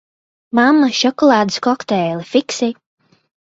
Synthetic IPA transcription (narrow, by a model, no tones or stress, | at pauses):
mamːaʃɔkɔlˠaːd̪ɨskɔkt̪ɛːlifiksi